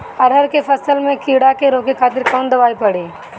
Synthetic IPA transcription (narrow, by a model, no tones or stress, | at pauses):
ɐɽ̤ʱəɾkepʰɐsəlmẽkiːɽakeɾoːkikʰaːt̪̬ɪɾkɔːnd̪ɐʋaːipɐɽiː